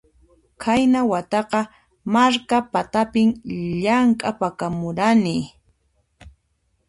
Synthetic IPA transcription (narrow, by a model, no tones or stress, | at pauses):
kʰajnawat̪ɑqɑ | maɾkapat̪apɪmʎaŋkʼapakamʊɾanɪ